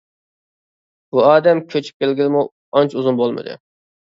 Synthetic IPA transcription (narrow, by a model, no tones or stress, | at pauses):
b̥uɑːd̪ɛmkʲʰøt͡ʃʰy̥p̚kʲelɡʲilɪmu | ɑnt͡ʃʰuzunbolˠmɨ̰d̪ɨ̰